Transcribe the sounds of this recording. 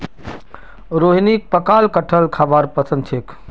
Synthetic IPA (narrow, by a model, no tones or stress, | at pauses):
ɾoɦnik̚pəkalkəʈʰəlkʰabaɾpəsə̃nd̪t͡ʃʰek